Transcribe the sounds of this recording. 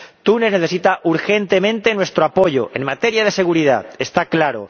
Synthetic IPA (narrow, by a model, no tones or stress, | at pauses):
t̪unezneθe̞s̬it̪aʔuɾxe̞nt̪e̞mẽ̞nt̪e̞nwe̞st̪ɾoapo̞ʝo̰ʔe̞̰ŋmat̪eɾjaðe̞se̞ɣ̞uɾið̞a̰est̪aklaɾo̰